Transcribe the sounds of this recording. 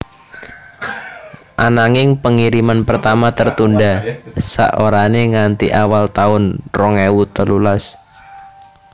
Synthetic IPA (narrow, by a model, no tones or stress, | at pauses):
ʔanaŋɪŋpəŋiɾimanpərt̪amat̪ərt̪undasa̰ʔoɾaneŋant̪iʔawalt̪aʊnrɔŋewut̪əlulas